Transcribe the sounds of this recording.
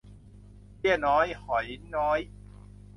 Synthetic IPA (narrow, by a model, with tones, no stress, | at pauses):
pi˥˩ənɔː˦˥jhɔ˨˩˦jnɔː˦˥j